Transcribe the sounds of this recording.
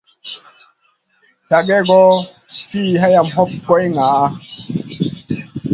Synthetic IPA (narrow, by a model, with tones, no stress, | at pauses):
sa˨ɡɛ˦ɡɔ˦tiː˦ɦa˦ja˧˨mɦɔ˦p̚kɔ˦jŋa˨˦